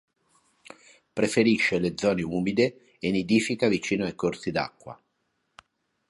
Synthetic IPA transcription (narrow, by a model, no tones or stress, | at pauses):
pɾefeɾiʃːeled̪zːɔːneuːmid̪e | enid̪iːfikavit͡ʃiːnoajkorsid̪a̰kːwa̰